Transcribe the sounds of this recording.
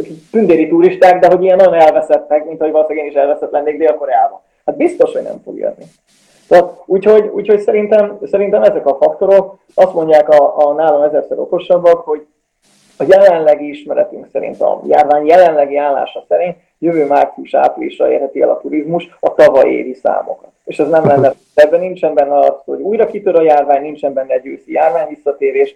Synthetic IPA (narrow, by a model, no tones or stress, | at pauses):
t̪ynd̪eːɾit̪uɾiʃt̪aːɡd̪ɛɦo̞ɟiɡɛnːɒjo̞nɛlvɛsɛt̪ːɛkmint̪ɒhoɟvɒlsɛɡeːniʃɛlvɛsɛt̪lɛnːeːɡd̪eːlko̞ɾɛaːbɒ̰ | had̪̚bist̪o̞ʃho̞ɟnɛ̰mfo̰ɡjø̰nːḭ | t̪ot̪uːcho̞ɟṵːcho̞csɛɾint̪ɛmsɛɾint̪ɛmɛzɛkɒfɒkt̪o̞ɾo̞k | ɒst̪mo̞ɲɟaːkɒːnaːlomɛzɛrsɛɾo̞̰ko̞ʃɒbɒkho̞ɟ | ɒjɛlɛnlɛɡiiʃmɛɾɛ̰t̪yŋksɛɾḭnt̪ɒ̰ja̰ːrvaːɲjɛlɛnlɛɡiaːlːa̰ːʃɒsɛɾint̪ | jøvøːmaːkksiuʃa̰ːplḭːʃɒ̰ḛːrhɛt̪iɛ̰lɒ̰t̪uɾizmuʃɒt̪ɒvɒjḛːɾisa̰ːmo̞̰kɒt̪eːʃɛznɛmlɛnːɛd̪ɛbːɛnint͡ʃɛmbɛnːɛɒɒt̪ːho̞ɟuːjɾɒkit̪øɾɒjaːrvaːɲnint͡ʃɛmbɛnːɛɛɟøːsijaːrvaːɲvisːɒt̪eːɾeːʃ